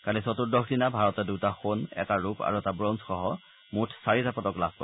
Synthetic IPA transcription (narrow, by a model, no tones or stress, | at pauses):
kalisɔtuɹdɔkʰdinabʱaɹɔtɛdutaxonɛ̰taɹupa̰ɹuɛtabɹɔnsxɔɦɔ | mutʰsaɹizapɔtɔklabʱkɔ̰